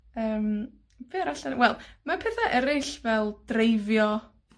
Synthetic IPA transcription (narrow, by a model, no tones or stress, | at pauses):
əːm | v̥ɨɾaɬanwɛlˠmapʰɛθaʔɛɾɪɬvɛlˠd̥rejvjɔ